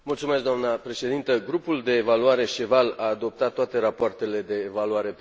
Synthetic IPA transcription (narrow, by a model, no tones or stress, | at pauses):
mult̪sumeskd̪oamnəpɾe̞ʃe̞d̪int̪əɡɾupuld̪e̞ːvaluaɾe̞ʃevalaːd̪o̞p̚t̪at̪ːoat̪e̞ɾapoart̪e̞le̞d̪e̞ːvaluaɾe̞